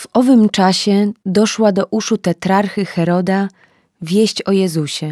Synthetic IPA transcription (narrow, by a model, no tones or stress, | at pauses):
vɔvɘmt͡ʂaɕɛd̪ɔʂwad̪ɔʔuʂut̪ɛt̪ɾaɾxɘxɛɾɔd̪a | vʲjeɕt͡ɕɔjɛzuɕɛ